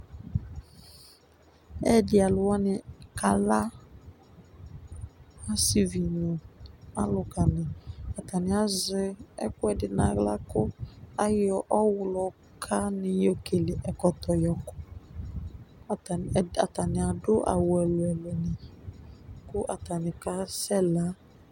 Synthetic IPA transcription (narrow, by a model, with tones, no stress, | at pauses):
ɛ˦dɪ˨a˨lʊ˨wɔ˦nɪ˨ka˨la˦ | a˦si˨vi˨nʊ˨a̰˦lʊ˨ka˨nɪ˨a˨ta˨nɪ˨a˨zɪ˦ɛ̰˦kʊ˦ɛ˨dɪ˨na˨ɣla̰˦kʊ˦a˦jɪ˦ɔ˨ʔɔ˦wʊ˨lɔ˨ | kʰa˦nɪ˨jo˨ke˨lɪ˨ʔɛ˨kɔ˨tɔ˨jɔ˨kʊ̥˦˨ | ta̰˨ta˨nɪ̃˨a˨dʊ˦ʔa̰˨wʊ˨ɛ˨lʊ˨ɛ˨lʊ˨nɪ˨ | kʊ˦ʔa˨ta˨nɪ˨ka˦sɛ˦la˨˦